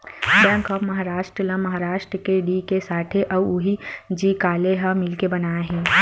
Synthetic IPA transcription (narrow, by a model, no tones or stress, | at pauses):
bjɛ̃ːŋkɔːpmɐɦaːɾaːʃʈɾəlɐ̃mɐɦaːɾaːʃʈɾəkeɖikesaːʈʰeʔɐʊɦid͡ʒikaːleɦɐmɪlkebɐnaːeɦɛ̃ː